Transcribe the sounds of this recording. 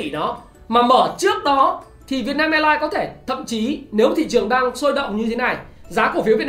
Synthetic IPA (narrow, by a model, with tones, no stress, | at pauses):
i˧˩nɔ˨˦ | maː˨˩məː˧˩t͡ɕɨ˦˥ək̚ɗɔ˨˦ | t̪ʰi˨˩vi˨˩ət̚naː˧mʔɛ˧laː˧jkɔ˨˦t̪ʰe˧˩t̪ʰə̰˧˨mt͡ɕi˨˦ne˨˦wt̪ʰḭ˧˨t͡ɕɨ˨˩əŋɗaː˧ŋso˧jɗə̰˧˨wŋ͡mɲɨ˧t̪ʰe˨˦na˨˩jzaː˨˦ku˧˩fi˨˦əvi˨˩